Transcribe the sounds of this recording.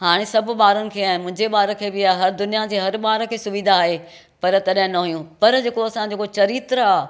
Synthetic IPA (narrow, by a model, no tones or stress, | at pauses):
ɦaːɽ̃esɐbʱʊ̆ɓaːɾʊnɪ̆kʰeːaːɦɪ̃mʊ̃ɦɪ̃d͡ʑeɓaːɾəkʰeːbɪaːɦɐɾd̪ʊnijad͡ʑeːɦɐɾbaːɾəkʰeːsʊʋid̪ʱaːɦe | pɐɾt̪ɐɗɦɪ̃nɐɦʊjũpɐɾd͡ʑeːkoɐsãd͡ʑoːkot͡ɕɐɾiːt̪ɾaː